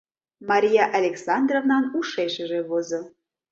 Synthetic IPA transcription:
mɑɾʲijɑʔalʲeksɑnd̪rovnɑnuʃeʃəʒeβozo

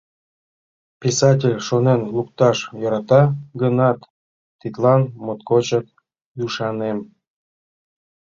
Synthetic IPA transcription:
pʲisɑt̬ʲelʲʃonenlukt̪ɑʃjoɾɑt̪ɑɡənɑt̪ː | it̪lɑnmot̪kot͡ɕək̚ | juʃɑnem

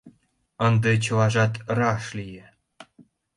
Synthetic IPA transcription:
ɤ̆nd̪ɤt͡ɕɤ̆lɑʐɑt̪rɑʃlʲijĕ

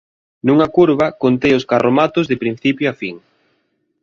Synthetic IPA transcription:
nuŋɐkuɾβɐkont̪ejʊskarʔomat̪ʊzðɪpɾin̟θipjoafiŋ

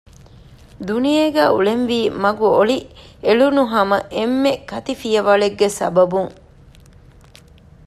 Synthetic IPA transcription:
d̪unijeɡæːṵɭenʋiːmɐɡuoɭieɭunuɦɐmɐʔemːekɐt̪ifijɐʋɐɭeɡːesɐbɐbuŋ

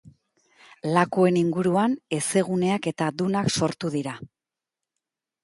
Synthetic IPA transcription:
lakue̞niŋɡuɾuane̞se̞ɣ̞une̞ake̞t̪aðunakso̞ɾt̪uðiɾa

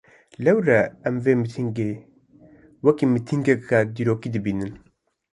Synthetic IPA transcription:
lɛwɾɛɛmveːmɨt̪ʰiŋɡeː | wɛkiːmɨt̪ʰiŋɡɛkaːd̪iːɾoːkiːd̪ɨbiːnɨn

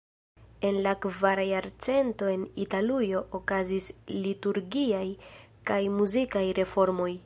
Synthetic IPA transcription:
e̞nlakvaɾajaɾt͡se̞nto̞e̞nitalujo̞ʔokazislituɾɡiaj | kajmuzikajɾe̞fo̞ɾmo̞j

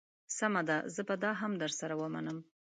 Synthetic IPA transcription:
samad̪azəbad̪ɑɦamd̪əɾsaɾawəma̰nəm

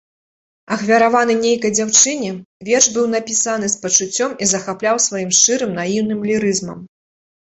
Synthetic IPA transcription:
ɐxvʲɐɾavanɨnʲejkɐjd͡zʲawt͡ʂɨnʲɛvʲɛrʂbɨwnapʲisan̪ɨspɐt͡ʂut͡sʲːɔmizɐxaplʲawsvajimʂt͡ʂɨɾɨmnajiwnɨmlʲiɾɨzmɐ̰m

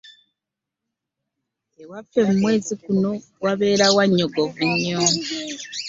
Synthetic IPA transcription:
ewafe̞mumwe̞ːzikuno̞ | ɡwaβe̞ːɾawaɲːoɡovuɲːo

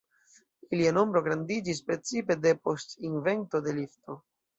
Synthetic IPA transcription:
iliano̞mbɾo̞ɡɾandid͡ʒis̬pɾe̞t͡sipe̞de̞po̞stinve̞nto̞de̞lifto̞

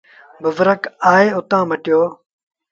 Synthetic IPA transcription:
bəʋəɾəkaːeːʊt̪ãːməʈɪjoː

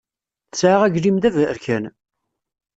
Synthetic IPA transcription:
θəsʕaʁæɡlimðævəɾkʰæn

